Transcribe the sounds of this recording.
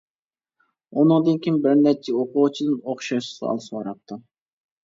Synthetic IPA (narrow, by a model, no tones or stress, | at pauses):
unɨŋd̪ɨnkʲʰimbɪɾnɛt͡ʃʰːɛoqʰʊʁt͡ʃʰid̪ɨnoχʃɑʃsɑ̰lˠɨsɑɾɑp̚t̪ʰːɨ